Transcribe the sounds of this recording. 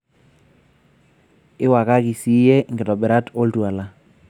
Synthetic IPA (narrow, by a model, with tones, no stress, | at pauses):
ɪ˦wa˨ka˦ki˨si˦jɛ˦ŋɡɪ˨tɔ˨bɛ˨ɾa˦to˦ltu˨a˨la˦